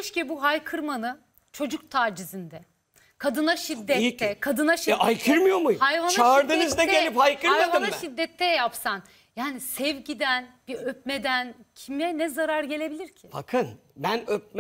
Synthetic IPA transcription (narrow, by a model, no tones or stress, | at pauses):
ʃcɛbuɦajkʰɯɾmanɯ | t͡ʃʰo̞d͡ʒuk̚t̪ʰaːd͡ʒizind̪ɛ | kʰad̪ɯnaʃid̪ːɛːɛkʰad̪ɯnaʃajkʰɯɾmɯjo̞mujhajvant͡ʃaɾd̪ɯnizd̪ɛɟelʲiphajkɯɾajadvamaʃid̪ːɛt̪ʰːɛjapsan | jaːnisɛvɟid̪ænbiøpme̞d̪æncʰimɛnɛzaɾaɾɟe̞lʲe̞bilʲiɾcʰiba̰kʰɯnbænøp̚m